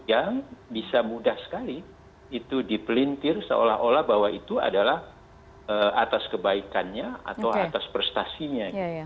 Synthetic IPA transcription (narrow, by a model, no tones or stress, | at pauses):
jaŋbisamudahsə̥kaliː | t̪udipəlint̪ɪrsə̰o̰laɦolahbawait̪ua̰dalah | əat̪askəbaikanɲaa̰t̪awat̪aspərst̪asiɲaɡ